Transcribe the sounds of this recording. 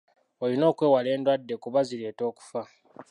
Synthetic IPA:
olino̞ːkwe̞ːwale̞ːndwadːe̞kuβazile̞ːto̞ːku̥fa

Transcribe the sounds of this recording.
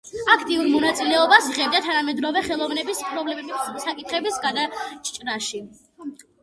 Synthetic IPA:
akʰt̪ʼiuɾmɔnat̪sʼilɛɔbasiʁɛb̚d̪at̪ʰanamɛd̪ɾɔvɛχɛlˠɔvnɛbispʰʼɾɔblɛsakʼit̪χɛbisɡad̪at͡ʃʰt͡ʃʼɾaʃi

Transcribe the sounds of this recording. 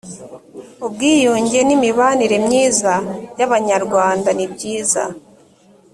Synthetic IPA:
ob̚ɡiːjuːɲɟe̞nimiβaniɾe̞mɲiːzajaβaɲaɾɡwaːndanibɟiːza̰

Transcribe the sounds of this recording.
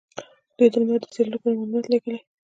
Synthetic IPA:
d̪̥ujd̪əlmɑd̪ːə̥seɾləkonamalunat̪liɡəle

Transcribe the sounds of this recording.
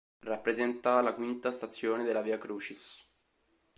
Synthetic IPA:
rapːɾezɛnt̪alakwint̪ast̪at̪sːjoːned̪elːaviːakɾuːt͡ʃis

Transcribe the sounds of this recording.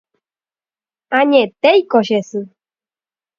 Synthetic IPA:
aɲẽt̪ejkoɕesɨ

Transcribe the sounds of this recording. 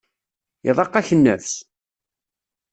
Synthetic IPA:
iðˤɑqːæçənːəθθ

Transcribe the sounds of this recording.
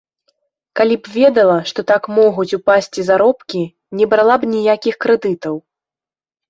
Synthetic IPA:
kalʲibvʲɛd̪ɐlˠɐʂt̪ɔt̪akmɔɣut͡sʲupasʲt͡sʲizaɾɔpkʲi | nʲɛbɾalˠabnʲijakʲixkɾɛd̪ɨt̪ɐw

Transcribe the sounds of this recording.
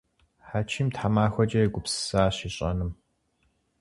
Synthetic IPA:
ħaːt͡ʃʰimtħamaːxʷɐt͡ʃʼɐjɛɡʷʊpsɨ̥saːɕiːɕʼɐ̰nɨm

